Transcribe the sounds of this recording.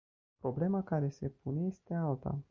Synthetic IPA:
pɾo̞ble̞makaɾe̞se̞pune̞je̞st̪e̞alt̪a̰

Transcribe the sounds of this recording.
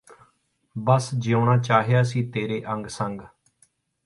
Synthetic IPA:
bəsd͡ʒioːɳaːt͡ʃaːɦejaːsĩːt̪eːɾeːʔə̃ŋɡsəŋɡ

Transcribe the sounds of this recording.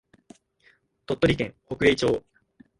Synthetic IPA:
t̪o̞t̪ːoɾʲikẽ̞ŋ̃ho̞kɯ̟eːt͡ɕo̞ː

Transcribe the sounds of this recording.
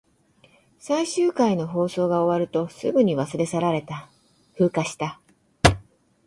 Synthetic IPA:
saiɕɨːkaino̞ɦo̞ːso̞ːɡao̞βaɾɯ̟t̪o̞sɨ̰ɡɯ̟ɲ̟iβasɨɾe̞saɾaɾe̞t̪a | ɸɯ̟ːkaɕi̥t̪a

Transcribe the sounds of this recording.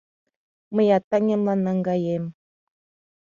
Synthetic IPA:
məjɑt̪ːɑŋʲemlˠɑnːɑŋɡɑjem

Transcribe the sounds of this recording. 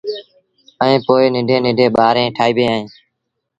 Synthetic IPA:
əẽːpoːɪːnɪɖʱẽːnɪɖʱẽːɓaːɾẽːʈʰaːiːbẽːaːɦẽː

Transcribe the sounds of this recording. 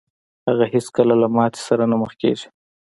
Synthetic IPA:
haɣaheskəlalamɑt̪e̥saɾanaməxkḛʒi̥

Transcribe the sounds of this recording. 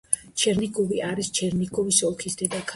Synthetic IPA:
t͡ʃʰɛɾnikʼɔviʔaɾist͡ʃʰɛɾniɡʼɔvisɔlˠkʰisd̪ɛd̪akʰ

